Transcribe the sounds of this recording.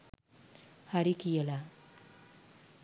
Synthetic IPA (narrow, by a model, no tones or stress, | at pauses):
haɾikijəla